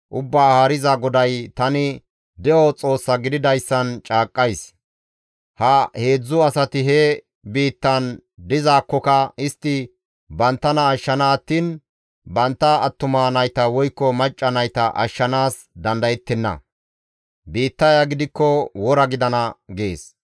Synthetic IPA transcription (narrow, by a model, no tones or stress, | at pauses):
ʔʊbːaːhaːɾɪzɐɡɔd̪ɐjt̪ɐnɪ | d̪ɛɔt͡sʼo̞ːsːɐɡɪd̪ɪd̪ɐjsːɐnt͡ʃʼaːkʼːɐjs | hɐhe̞ːd͡zːʊɐsɐt̪ɪɦɛ | biːt̪ːɐnd̪ɪzaːkːɔkɐɪst̪ːɪ | bɐnt̪ːɐnɐːʃːɐnaːt̪ːin | bɐnt̪ːɐːt̪ːʊmanɐjt̪ɐwɔjkːɔmɐt͡ʃʼːɐnɐjt̪ɐʔɐ̰ʃːɐnaːs | d̪ɐnd̪ɐjɛt̪ːɛnːɐ̰ | biːt̪ːɐjaɡɪd̪ɪkːɔwɔɾɐɡɪd̪ɐnɐɡe̞ːs